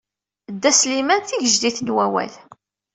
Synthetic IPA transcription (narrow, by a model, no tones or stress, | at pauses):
d̪ːæslimænθiʝəʒd̪iθənwæwæ̰l